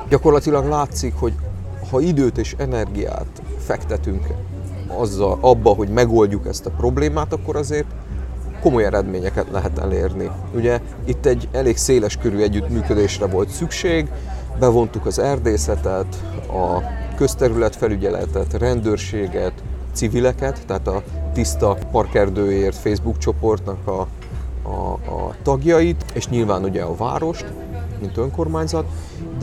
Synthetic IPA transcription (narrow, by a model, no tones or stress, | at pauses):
ɟɒko̞rlɒt̪ilɒɡlaːt̪sikho̞ɟ | hɒid̪øːt̪eːʃɛnɛrɡija̰ːt̪fɛkt̪ɛt̪yŋk | ɒzːɒlʔɒbːɒɦo̞ɟmɛɡo̞lɟukɛ̰st̪ɒpro̞bleːmaːt̪ɒkːo̞ɾɒzeːrt̪ | ko̞mo̞jɛɾɛd̪meːɲɛkɛt̪lɛ̰ɦɛt̪ɛ̰leːrni | uɟɛ | it̪ːɛɟːɛleːɡkseːlɛʃkøɾyːɛɟːyt̪myːkø̞d̪eːʃrɛvo̞lt̪sykʃeːɡ | bɛvo̞nt̪ukɒzɛrd̪eːsɛt̪ɛt̪ | ɒkøst̪ɛɾylɛt̪fɛlyɟɛlɛ̰t̪ɛt̪rɛnd̪øːrʃeːɡɛt̪sivilɛkɛt̪ːɛɦaːt̪ɒt̪ist̪ɒpɒrkɛrd̪øːjeːrt̪feːjzbukt͡ʃo̞po̞rt̪nɒkɒ | ɒ̰t̪ɒɡjɒjit̪eːʃɲilvaːnuɟɛɒva̰ːɾo̞ʃt̪ | mint̪ø̞ŋko̞rmaːɲzɒt̪